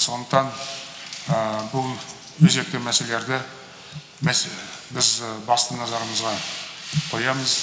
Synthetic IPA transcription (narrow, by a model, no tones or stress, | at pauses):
so̞nd̪əqt̪ɑn | əbʊlˠ | wɵzɡek̚t̪ɪmæse̞lee̞ɾd̪ɪ | mæbɪzbɑst̪ənɑzɑɾəməzʁɑqʰo̞jɑməz